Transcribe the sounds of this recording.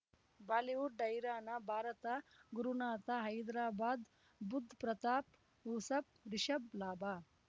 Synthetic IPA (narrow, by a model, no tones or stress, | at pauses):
baːliʋuɖɖɐjɾaːnɐbʱaːɾɐt̪aɡuɾunaːt̪aɦɐjd̪ɾaːbaːd̪ | bud̪ʱːpɾɐt̪aːp | ɦusɐp̚ɾiʃɐblaːbaː